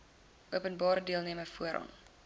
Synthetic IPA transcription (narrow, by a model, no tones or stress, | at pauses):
ʔuəpənbɑːɾədiəlˠniəməfuəɾɑ̰n